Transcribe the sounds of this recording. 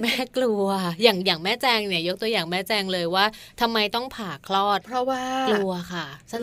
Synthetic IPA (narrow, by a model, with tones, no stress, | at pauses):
mɛː˥˩klu˧ɐjaː˨˩ŋjaː˨˩ŋmɛː˥˩t͡ɕɛː˧ŋni˥˩ɐjo˦˥k̚t̪u˧ɐjaː˨˩ŋmɛː˥˩t͡ɕɛː˧ŋlɤː˧jwaː˥˩ | t̪ʰa˧mːa˧jt̪ɔ˥˩ŋpʰaː˨˩kʰlɔː˥˩t̪̚pʰɾɔ˦waː˥˩klu˧ɐkʰa˥˩sa˧˥